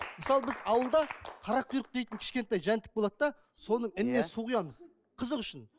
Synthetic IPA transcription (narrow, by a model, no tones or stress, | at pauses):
məsɑlˠbɪzɑwəlˠd̪ɑq̪ʰɑɾɑqʰːʊjɾəq̚d̪e̞jt̪ɪŋkʲʰɪ̥ʃkʲe̞nt̪ɑjʒænt̪ɪ̥k̚bo̞lˠɑd̪əd̪ɑ | so̞nəɴɪnɪne̞suʁijɑməz | qʰəzəʁʏʃɪn